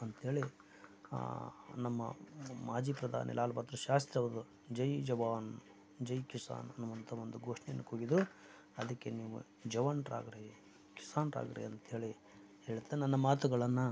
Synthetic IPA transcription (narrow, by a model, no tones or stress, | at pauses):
ɐnt̪ɦeːɭi | nɐmːɐ̰maːd͡ʒiːpɾɐd̪ʱa̰ːnḭlaːlbɐt̪ːɾɐʃaːst̪ɾɐʋɐd̪u | d͡ʒɐjd͡ʒɐʋaːn | d͡ʒɐjkisa̰ːnɐnːuʋɐnt̪ʰɐʋond̪uɡoːʂɳɛjɐnːɐkoɡid̪u | ɐd̪ɐkːe̞niːʋṵ | d͡ʒɐʋanɾa̰ːɡɐɾe | ki̥saːnɾa̰ːɡɐɾḭɐnt̪eːɭi | heːɭt̪ːenɐnːɐmaːt̪uɡɐɭɐnːu